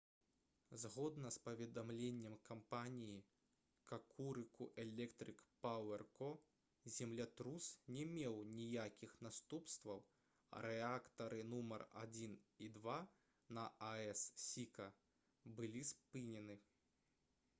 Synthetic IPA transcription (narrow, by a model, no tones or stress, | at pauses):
zɣɔd̪nɐspɐvʲɛd̪amlʲenʲːɛmkampanʲiji | kakʰuɾɨkuʔɛlʲɛkt̪ɾɨkpawɛrkɔ | zʲɛmlʲat̪ɾusnʲɛmʲɛwnʲijakʲixnast̪upst̪vɐw | ɐ̰ɾɛakt̪ɐɾʔɨnumɐra̰d͡zʲinid̪va | nɐaɛssʲikɐ | bɨlʲispɨnʲɛnɨ